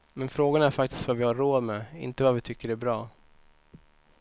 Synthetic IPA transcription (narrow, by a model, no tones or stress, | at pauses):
mɛnfɾoːɡanaæɾfakt̪ɪ̥st̪vavɪhaɾːoːd̪mɛɪ̰nt̪əvavɪt̪ʰʏkːəɾæɾbɾɑː